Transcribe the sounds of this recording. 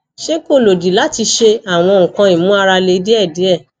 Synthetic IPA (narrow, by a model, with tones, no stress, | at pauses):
ʃe˦ko˦˨lo˨di˨la˨˦ti˧ʃe˧a˨w̃ɔ̃˧˨ŋ̩̃˨kã˧i˨mũ˨˦a˧ɾa˧le˧i˧˦di˦ɛ˦˨di˨˦ɛ˦˨